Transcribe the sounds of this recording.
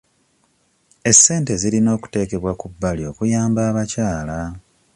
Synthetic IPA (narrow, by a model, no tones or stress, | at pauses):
e̞sːe̞ːnte̞zilino̞ːku̥te̞ːke̞βwakubːalio̞ːkujaːmbaːβacaːla